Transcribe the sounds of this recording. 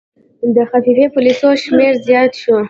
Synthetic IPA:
d̪əxafifepʊlisoʃmeɾzjɑt̪ʃu

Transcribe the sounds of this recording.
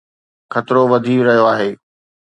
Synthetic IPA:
xʰɐt̪ɪɾoʋɐd̪ʱiɾɐɦijoaːɦeː

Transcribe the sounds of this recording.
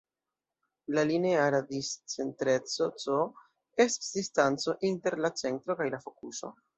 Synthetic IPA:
laline̞aɾadist͡se̞ntɾe̞t͡sot͡so | e̞stḁsdistant͡so̞ʔinte̞ɾlat͡se̞ntɾo̞kajlafo̞kuso̞̰

